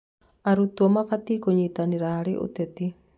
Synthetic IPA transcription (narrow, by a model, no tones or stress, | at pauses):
aɾut̪uɔmakat̪ikoɲit̪aniɾaɦaɾiʔṵt̪ɛt̪i